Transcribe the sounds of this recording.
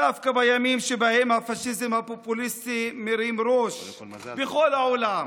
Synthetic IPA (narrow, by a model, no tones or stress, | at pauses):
afkabajamimʃebahemhafaʃizemhapopulist̪imeɾimɾoʃ | bexo̞laolam